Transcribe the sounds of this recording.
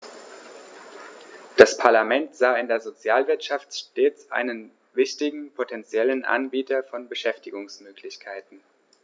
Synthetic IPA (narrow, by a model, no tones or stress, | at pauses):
d̥aspʰaɐlamɛntz̥aːɪndeːɐzot͡sjaːlvɪɐtʃaftʃteːt͡sʔa̰ɪnən | vɪçtɪɡŋ̩pʰotʰɛnt͡sjɛlənʔa̰nbiːtʰɐfɔnbəʃɛftɪɡʊŋsmøːkʰlɪçkʰaɪtn̩